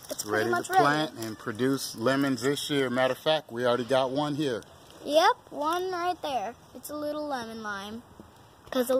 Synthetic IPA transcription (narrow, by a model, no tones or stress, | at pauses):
ɨtsɹɛɾimʌət͡ʃɹlæ̃ntɨ̃npʰɹ̥ɨdʉslɛmɨ̃nzðɪsjɪɹɨmæɾə˞fæk̚t̚wil̩ˠɹɛɾiɡɑt̚wʌ̃nɦiɹ | jɛp̚wʌ̃nɹaɪt̪̚ðə˞ | ɨtsəlɪɾl̩ˠlɛmɨ̃nlãɪ̃m | kʰʌzə